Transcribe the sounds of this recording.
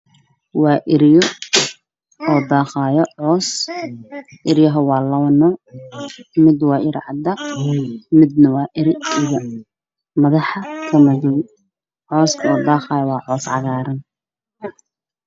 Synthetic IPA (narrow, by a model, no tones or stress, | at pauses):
wɑːʔɪɾjɔ | ɔːd̪ɑːχɑːjɔʕɔːs | ʔɪɾjɐɦɐwɑːlɐwɐnɔ | mɪd̪wɑːʔɪɾ̰ʕɑd̪ɐq | mɪd̪nɐwɑːʔɪɾɪijɐ | mɐðɑħɐkʰɐmɐðʊw | ʕɔːskʰɐɔːd̪ɑːχɑːjɔwɑːʕɔːsʕɑɣaːɾɐn